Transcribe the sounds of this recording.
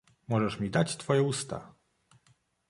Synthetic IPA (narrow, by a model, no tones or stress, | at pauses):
mɔʐɛʂmʲid̪at͡ɕt̪fɔjɛust̪a̰